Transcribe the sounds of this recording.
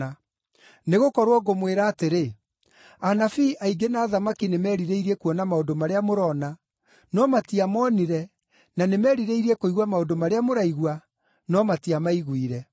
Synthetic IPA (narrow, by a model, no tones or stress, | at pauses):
a | neɣokɔɾwɔɡomweɾaːteɾe | anafiʔaiɡenaːðamakinemɛːɾiɾeiɾiɛkuɔnamaodomaɾeamoɾɔːna | nɔmatiamɔːniɾɛ | nanemɛːɾiɾeiɾiɛkoiɣwamaodomaɾeamoɾaiɣwa | nɔmatiamaiɣwiɾɛ